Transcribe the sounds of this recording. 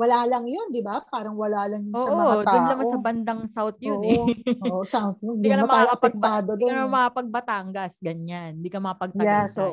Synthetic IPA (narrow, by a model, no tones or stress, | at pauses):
wɐlaːlɐŋjond̪ɪbapaːɾɐŋwɐlaːlɐŋjʊnosːɐʔodt̪aʊnlɐmasɐbɐnd̪ɐŋsawt̪̚jooʔsawt̪jod̪ikɐnɐmɐmɐaɐpɐk̪̚aːd̪od̪kɐnɐmɐkapɐɡ̚bɐt̪aŋɡɐsɡɐɲannd̪iːkɐmɐkapɐɡ̚tɐjɛsʔoʔ